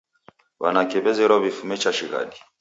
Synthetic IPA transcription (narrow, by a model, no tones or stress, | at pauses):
wa̰nakɛβɛzɛɾɔβifumɛt͡ʃaʃiɣa̰ɗi